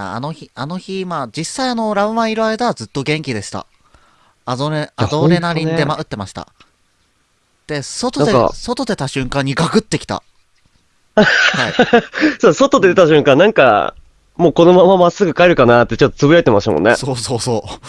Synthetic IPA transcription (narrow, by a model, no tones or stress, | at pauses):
a̰a̰no̞çiano̞çimaːd͡ʑisːaiano̞ɾaɯ̟mãiɾɯ̟aid̪aβad͡zɨt̪ːo̞ɡẽ̞ŋkʲid̪e̞ɕi̥t̪a̰ | ad̪oɾead̪o̞ːɾe̞naɾʲĩnd̪e̞maʔɯ̟t̪ːe̞maɕi̥t̪a̰ | d̪̥e̞so̞t̪od̪ḛso̞t̪o̞d̪e̞t̪aɕɨ̃ŋkãɲ̟ːiɡaɡɯ̟t̪ːe̞kʲi̥t̪a̰ | haisoso̞t̪o̞d̪e̞d̪et̪aɕɨ̃ŋkãnnãŋka̰ | moːko̞no̞mamamasːɨɡɯ̟kaeɾɯ̟kanat̪ːet͡ɕot̪ːot͡sɨbɯɾaet̪emaɕi̥amo̰nːḛsoːso̞ːso̞ː